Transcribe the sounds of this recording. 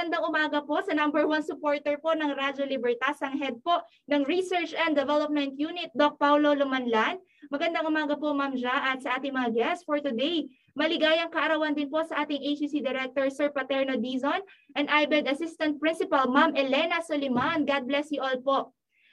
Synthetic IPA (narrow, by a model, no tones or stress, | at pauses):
ɐnd̪aŋʔʊmaːɡɐpo̞ʔsɐnambɛɹwansʊpoɹt̪ɛɹpo̞ʔnɐŋɾad͡ʒolɪbɛɹt̪asɐŋɦɛd̪̚po̞ʔ | nɐŋɹisɛɹt͡ʃɐnd̪ɛvɛlop̚mɛnt̪juːnɪt̪̚d̪ok̚pawlo̞lʊmɐnland̪̚ | mɐɡɐnd̪aŋʔʊmaːɡɐpomamd͡ʒaʔɐt̪̚sɐʔaːt̪ɪŋmɐŋaɡɛstfɔɹt̪ʊd̪ej | mɐlɪɡaːjɐŋkɐʔɐɾɐwɐnd̪ɪnpo̞ʔsɐʔaːt̪ɪŋʔejt͡ʃisid̪ɛɾɛk̚t̪oɹsɛɹpɐt̪ɛɹnod̪izonʔɛ̃nd̪ʔajbɛd̪ɐsɪst̪ɐ̃nt̪̚pɹɪnsɪpɐlmamʔɛlɛnɐsolɪmanɡad̪̚blɛsjɪʔolpo̞ʔ